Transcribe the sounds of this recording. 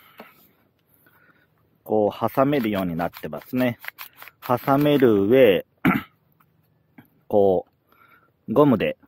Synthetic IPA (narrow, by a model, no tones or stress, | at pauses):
ko̞ːhasame̞ɾɯ̟jo̞ːɲ̟inat̪ːe̞ma̰sɨne̞hasame̞ɾɯ̟βe̞ː | ko̞ː | ɡo̞mɯ̟d̪e̞